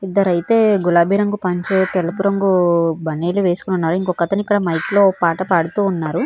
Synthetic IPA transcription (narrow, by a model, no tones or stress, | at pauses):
id̪ːɐɾɐjt̪e̞ːɡulaːbʱiːɾɐŋɡupɐɲt͡ʃeːt̪ɛlːɐpuɾɐŋɡubɐneːluʋe̞ːsukununːaːɾuiŋkɔkːɐt̪ɐnikːɐɽɐmɐjklo̞ːpaːʈɐpaːɽut̪uːnːaːɾu